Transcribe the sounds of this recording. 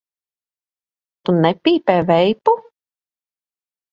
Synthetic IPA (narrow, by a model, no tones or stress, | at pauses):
t̪unɛpʲiːpɛːvɛjpu